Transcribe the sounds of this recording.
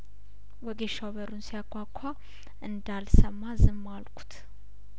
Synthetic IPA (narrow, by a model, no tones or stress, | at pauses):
wɔɡeʃaβəɾunsijakʼʰʷːakʷʰːa | ʔɨnd̪alsəmːazɨmːalkʷʼʰu̥t̪ʰ